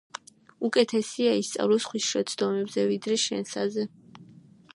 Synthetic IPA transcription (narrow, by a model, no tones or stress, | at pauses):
ukʼɛt̪ʰɛsiaist̪sʼa̰vlɔsχwisʃɛt̪sʰd̪ɔmɛbzɛvid̪ɾɛʃɛnsazɛ